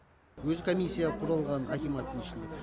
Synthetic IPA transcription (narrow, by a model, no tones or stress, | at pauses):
wɵzkʰo̞mʲisʲːijaqʰʊɾɑlˠʁɑnakʲimɑt̪ːənɪʃɪnd̪e